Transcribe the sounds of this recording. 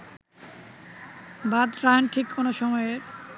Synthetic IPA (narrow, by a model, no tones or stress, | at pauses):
bad̪ɾaɦenʈʰikʰːonoʃɔmɔeeɾ